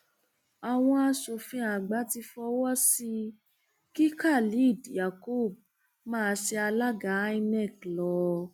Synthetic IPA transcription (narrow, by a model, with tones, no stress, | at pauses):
a˨w̃ɔ̃˧a˧so˨˧fĩ˧˦a˨ɡ͡ba˨˦ti˧fɔ˧wɔ˦si˧ | ki˦ka˦˨li˨˦i˦˨di˨ja˨ko˦˨b̚ | mãː˦˧si˧a˧la˦ɡa˨˦i˦˧nɛ˦˨klɔ˨˧˦